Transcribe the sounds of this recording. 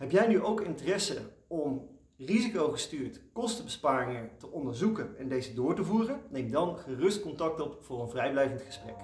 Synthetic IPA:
ɦɛpjɛjnyʔowkɪntərɛsə̰ɔm | rizikowχəstyːɹtkɔstəbəspaːrɪŋəntəʔɔndəɹzukənɛndejzədʊːɹtəvuːrənnejmdɑnχərɵst̚kɔntɑk̚tɔpfʊːrənvrɛjblɛjvəntχə̥sprɛ̰k

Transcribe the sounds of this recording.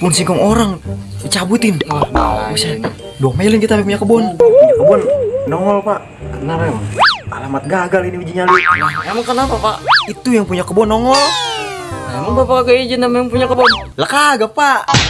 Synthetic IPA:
punsikɔŋoɾaŋ | it͡ʃabut̪ɪn | usa | duamelənŋkit̪apip̬uɲakəbɔnkəbɔndɔŋɔlpaʔ | naɾaa̰lamat̪̚ɡaɡaliniwid͡ʒiɲaliŋamaŋkənapapaʔit̪ujaŋpuɲakəbɔndɔŋɔl | ŋamaŋpapakakəid͡ʒinamajaŋpuɲakəbɔnləkaɡapaʔ

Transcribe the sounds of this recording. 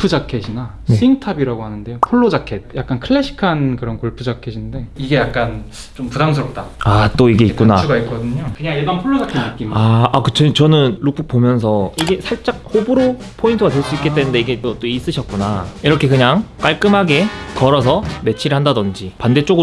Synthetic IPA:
pʰud͡ʑakʰeɕʰina | sʰiŋtʰabiɾaɡoɦanɯnde̞jopʰoɭːoakʰe̞t̚jak̚k͈ankʰɯɭːeɕʰi̥kʰankɯɾʌnkoɭpʰud͡ʑakʰeɕʰinde̞iɡe̞jak̚k͈an | t͡ɕompudaŋsʰɯɾʌp̚t͈aat͈oiɡe̞it̚kk͈unauɡait̚k͈ʌdɯɲokɯɲaŋjemanpʰoɭːod͡ʑakʰeɯk͈imaakɯt͡ɕʰʌt͡ɕʌnɯnɾuk̚p͈ʰɯk̚p͈omjʌns̬ʰʌiɡe̞sʰaɭt͡ɕ͈ak̚hobɯɾo | pʰointʰɯɡadeɭs͈uik͈ːet͈e̞nɯnde̞iɡetʌt͈ois͈ɯɕʰʌt̚k͈unaiɾʌkʰekɯɲaŋk͈aɭk͈ɯmɦaɡe̞kʌɾʌs̬ʰʌme̞t͡ɕʰiɾɯɭɦandadʌnd͡ʑipande̞t͡ɕ͈oɡɯ

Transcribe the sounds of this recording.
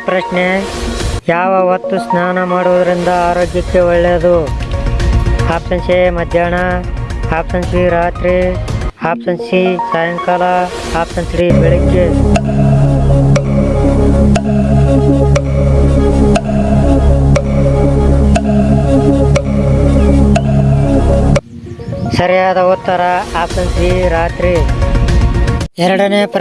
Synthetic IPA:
pɾɐʃne | jaːʋɐʋɐt̪ːusnaːnɐmaːɽuʋɐd̪ɐɾind̪ɐaːɾoːɡjɐkːeɔɭːeːɐd̪u | aːpsɐnʃemɐd̪ʱjaːɳɐaːpsɐnsiɾaːt̪ɾiaːpsɐnsisaːjɐŋkaːla | aːpsɐnsɽibiɭiɡe | sɐɾjaːd̪aoːt̪ːaɾaːaːpsɐ̃nsiːɾaːt̪ɾeː | eɾɽɐnep

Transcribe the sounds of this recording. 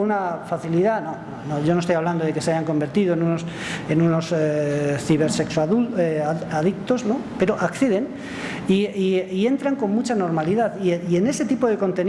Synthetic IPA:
unafaθiliðano̞ | noʝonost̪ojaβland̪oð̞e̞ke̞seajaŋko̞mbe̞ɾt̪ið̞oenunos | enuno̞seθiβeɾseksoaðueaðikt̪o̞snope̞ɾoʔakθeð̞e̞n | iiie̞nt̪ɾaŋko̞nmut͡ʃano̞ɾmaliðaðiiene̞se̞t̪ipo̞ð̞e̞ko̞nt̪e̞n

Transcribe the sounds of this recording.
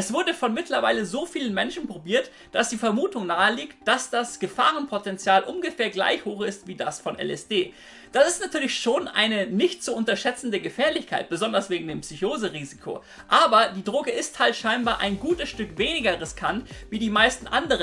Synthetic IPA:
ʔɛsv̥ʊɐdəfɔnmɪtlɐvaɪləzoːfiːlənmɛnʃn̩pʁ̥obiːɐt | d̥asd̥iːfɛɐmuːtʊŋnaːəliːktd̥asd̥asɡ̥əfa̰ːʁ̞ənpʰotɛnt͡sjaːlʔʊmɡəfɛːɐɡla̰ɪçhoːxɪstv̥iːdasfɔnʔɛ̰lɛ̰sd̥eː | d̥asɪstnatʰyːɐlɪçʃoːnʔa̰ɪnənɪçtz̥oːʔʊntɐʃɛt͡sn̩dəɡəfɛːɐlɪçkʰaɪt̚b̥əzɔndɐsv̥eːɡŋ̩deːmpsyçoːzəʁiːzikʰo̰ | ʔaːbɐdiːdʁoːɡəʔɪsthaltʃaɪnbaːɐʔa̰ɪnɡuːtəsʃtʏkv̥eːnɪɡɐʁɪskʰantv̥iːdiːmaɪstn̩ʔandəʁ̞ən

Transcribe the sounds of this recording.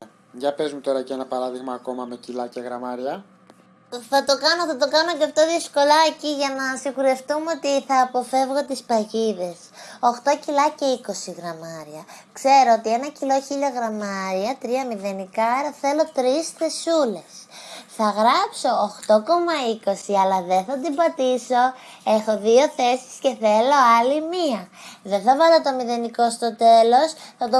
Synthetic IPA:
ʝɐpe̞zmut̪o̞ɾɐcenɐpɐɾɐðiɣmɐːko̞mɐme̞cilɐceɣɾɐmɐɾiɐ | θɐt̪o̞kɐnoθɐt̪o̞kɐno̞ceɐft̪o̞ðisko̞lɐeciʝɐnɐsiŋxuɾe̞ft̪umeo̞t̪iθɐːpo̞fe̞vɣo̞t̪ispɐʝiðe̞soxt̪o̞cilɐceiko̞siɣɾɐmɐɾiɐkse̞ɾo̞ot̪ie̞nɐcilo̞çiʎɐɣɾɐmɐɾiɐt̪ɾiɐmiðe̞nikɐɾɐθe̞lo̞t̪ɾisθe̞sule̞sθɐɣɾɐpso̞ːxt̪o̞ko̞mɐiko̞siɐlɐðeθɐd̪ibɐt̪iso̞e̞xo̞ðio̞θe̞si̥sce̞θe̞lo̞ɐlimiɐðeθɐvɐlot̪o̞miðe̞niko̞st̪o̞t̪e̞lo̞sθɐt̪o

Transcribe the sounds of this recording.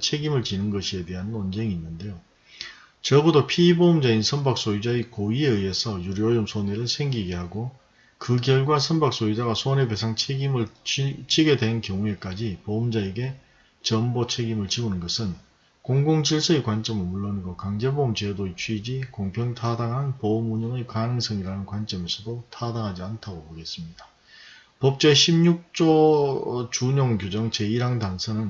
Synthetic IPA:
t͡ɕʰe̞ɡimɯɭt͡ɕinɯnɡʌɕʰie̞de̞ɦanʌnd͡ʑe̞ŋiːnːɯnde̞jo | t͡ɕʌɭbudopʰiːbomd͡ʑainsʰʌmbak̚s͈ojid͡ʑaikoie̞ɯje̞sʰʌjuɾiʌɭjomsʰoneɾɯɭsʰe̞ŋɡiɡe̞ɦaɡo | kɯk̬jʌɭɡwasʰʌnbak̚s͈oid͡ʑaɡasʰonebesʰaŋt͡ɕʰeimɯɭt͡ɕʰiɡe̞dwe̞nkjʌŋue̞k͈ad͡ʑipomd͡ʑaeɡe̞ | t͡ɕʌmbot͡ɕʰe̞ɡimɯɭt͡ɕiɡunɯnɡʌsʰɯn | koŋɡoŋd͡ʑiɭs͈ʰʌekwant͡ɕ͈ʌmɯɭmuɭːʌniɡokaŋd͡ʑe̞bomt͡ɕedoit͡ɕʰɥid͡ʑikoŋpʰjʌŋtʰadaŋɦanpoːmuɲʌŋekanɯŋsʰʌŋiɾanɯnkwant͡ɕ͈ʌmesʰɯdotʰadaŋɦad͡ʑiantʰaɡopoɡe̞s͈ɯmɲida | pʌp̚t͡ɕ͈eɕʰimɲuk̚t͡ɕ͈o | t͡ɕuɲoŋkjod͡ʑʌŋt͡ɕe̞iɾaŋdaŋsʰʌnɯn

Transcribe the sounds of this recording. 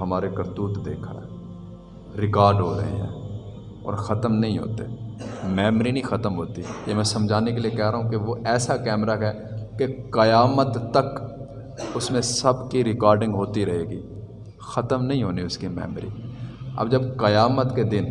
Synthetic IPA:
ɦɐmaːɾekɐɾt̪uːʈd̪eːkʰə̰ɽɛ̰ | ɾɪkaːɾɖɦo̰ɾɐ̰ɦḛɦɛ̰̃ː | ɔ̰ːɾxɐt̪əmnɐɦĩɦo̰ːt̪eːmɛːmɾinɐĩxɐt̪əmɦoːt̪ijemɛ̃ːsɐmd͡ʒʱaːnekeliekɛːɦɾaːɦũkeʋoʔɛːsakɛːmɾakɛːkekɐjaːmət̪ːɐk | ʊsmẽsɐbkiɾɪkaːɾɖɪ̃ŋɡɦoːt̪iɾɐɦeːɡiː | xɐt̪əmnɐɦĩɦoːniʊskimɛ̰ːmɾḭːɐ̰bd͡ʒɐbkɐjaːmət̪ked̪ɪn

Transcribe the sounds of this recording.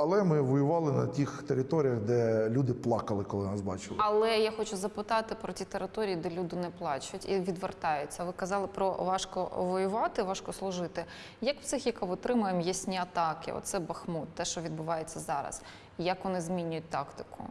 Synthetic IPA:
ɐlˠɛmɪʋɔjʊʋɑlˠɪnɐ̰tʲixt̪eɾʲɪt̪ɔɾʲijɐɣd̪ɛlʲud̪ɪplˠɑkɐlˠɪkɔlˠɪnɑsbɑ̰t͡ʃɪlˠɐlˠɛjaxɔt͡ʃʊzɐpɪt̪ɑt̪ɪpɾɔtʲit̪eɾɪt̪ɔɾʲijid̪ɛlʲud̪ɪnɛplˠɑt͡ʃʊtʲḭʋʲid̪ʋert̪ɑjʊt͡sʲːɐʋɪkɐzɑlˠɪpɾɔʋɑʃkɔ̰ʋɔjʊʋɑt̪ɪʋɑʃkɔslˠʊʒɪt̪ɪ | jɐkw̥tsɪxjɐkaʋɪt̪ɾɪmʊjemjɛsʲnʲiɐt̪ɑkɪ̰ɔ̰t̪sɛbɐxmut̪t̪ɛʃt͡ʃɔʋʲid̪bʊʋɑjet͡sʲːɐzɑɾɐ̰s | jɐkʋɔnɪzmʲinʲʊjʊt̚ʲt̪ɑkt̪ɪkʊ̰

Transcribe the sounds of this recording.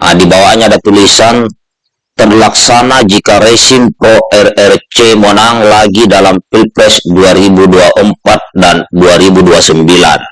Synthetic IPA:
ʔadibawaɲadat̪ulisan | t̪ərlaksanad͡ʒikaɾesimpɾoʔɛrɛrt͡ʃemonaŋlaɡidalamfilpɾɛsduaɾibuduaʔəmpat̪̚danduaɾibuduasəmbila̰n

